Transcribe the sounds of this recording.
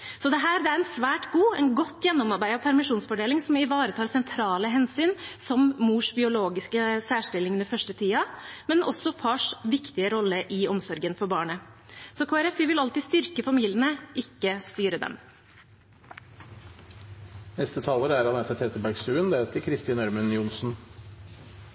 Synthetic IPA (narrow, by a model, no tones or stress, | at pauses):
sɔd̪ɛɦæːɾd̪ɛæɾɛnsʋæːʈɡuːɛnɡɔt̪ːjɛnːɔmɑɾbæɪɑʋpʰæɾmɪʂuːnsfɔɖeːlɪŋsɔmɪʋɑːɾət̪ʰɑːɾsɛnt̪ʰɾɑːləɦɛnsyːnsɔmmuːʂbɪʊloːɡɪskəsæːʂʈɪlːɪŋnəfœʂʈət̪ʰiːɑmɛnʔɔsːɔpʰɑːʂʋɪkt̪ɪəɾɔlːəʔɪɔmsɔɾɡənfɔɾbɑːɳəsɔkʰoːɛɾɛfiːʋɪlɑlt̪iːst̪ʏɾkəfɑmiːlɪənəʔɪkːəst̪yːɾəd̪ɛ̰m | nɛst̪ət̪ʰɑːləɾæɾɑnɛt̪ʰət̪ʰɛt̪əbæɾɡsʉːənd̪eːlt̪əkʰɾɪst̪ɪːnæɾmənjʊnsn̩